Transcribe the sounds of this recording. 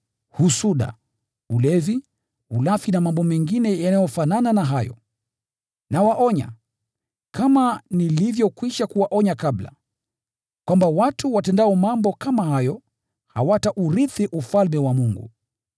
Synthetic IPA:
husuɗa̰ | ulɛvi | ulafinamambɔmɛŋɡinɛjanajɔfanananaɦajɔ̰ | nawaʔɔɲa̰ | kamanilivjɔkwiʃakuwaʔɔɲakabla̰ | kwambawatʰuwatɛndaɔmambɔkamahajɔ | ha̰wataʔuɾiθiʔufalmɛwamuŋɡṵ

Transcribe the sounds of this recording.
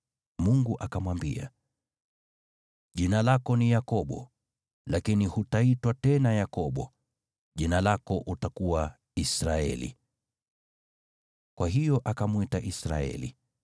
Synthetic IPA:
muŋɡuʔakamwambḭa̰ | ʄinalakɔnijakɔɓɔ̰ | lakinihutaitwatɛnajakɔɓɔ | ʄinalakɔʔutakuwa | isɾaɛ̰lḭ | kwʔaɦijɔʔakamwitaʔisɾa̰ɛ̰lḭ

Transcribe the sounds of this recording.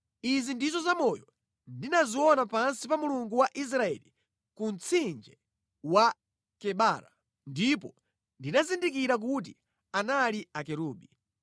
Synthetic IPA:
izindizɔzamɔjɔ | ndinaziwɔnapansipamuluŋɡuwaʔis̬ɾaɛ̰li | kunt͡sʰind͡ʒɛ | wa | kɛɓaːɾa̰ | ndipɔ | ndinazindikiɾak̬ut̬i | analiakɛɾuːɓi

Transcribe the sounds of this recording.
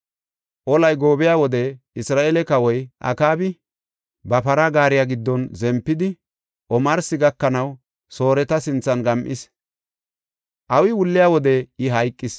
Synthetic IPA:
ʔɔlɐjɡo̞ːbɪjaːwɔd̪ɛ | ɪsɾaːʔeːlɛkɐwɔjʔɐ̰kaːbɪ | bɐpɐɾɐɡaːɾɪjaɡɪd̪ːɔnzɛmpːɪd̪ɪ | ʔɔmɐɾsɪɡɐkːɐnɐw | so̞ːɾɛt̪ɐsɪnt͡sːɐnɡɐmʔɪs | ʔɐwɪwʊlːɪjaːwɔd̪ɛɪɦɐjkʼːɪs

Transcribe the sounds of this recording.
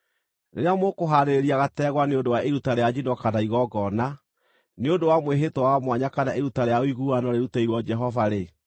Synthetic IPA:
neɾeamokoɦaɾeɾeɾiaɣatɛɣwaneondowaʔeɾutaɾejad͡ʑinɔkanaiɣɔɡɔna | neodowamweɦetwɔwamwaɲakanaʔeɾutaɾejaoiɣuanɔɾeɾutaiɾwɔd͡ʒɛɦɔvaɾe

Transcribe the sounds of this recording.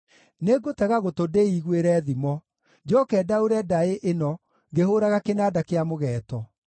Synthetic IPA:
neɡotɛɣaɣotodeiɣweɾɛːðimɔ | d͡ʑɔkɛːdaoɾɛdaeʔenɔ | ŋɡeɦoɾaɣakenaːdakeamoɣɛːtɔ

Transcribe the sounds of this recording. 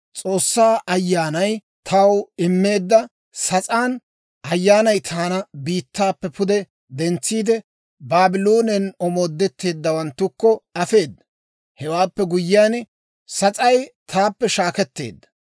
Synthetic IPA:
t͡sʼo̞ːsːaːʔɐjːaːnɐj | t̪ʰɐwɪmːe̞ːd̪ːɐ | sɐt͡sʼaːn | ɐjːaːnɐjt̪ʰaːnɐbiːt̪ːaːpːɛpʰʊd̪ɛ | d̪ɛnt͡sːiːd̪ɛ | baːbɪloːnɛnɔmoːd̪ːɛt̪ːe̞ːd̪ːɐwɐnt̪ːʊkːɔɐfe̞ːd̪ːɐ | hɛwaːpːɛɡʊjːɪaːn | sɐt͡sʼɐjt̪ʰaːpːɛʃaːkɛt̪ːe̞̰ːd̪ːɐ̥

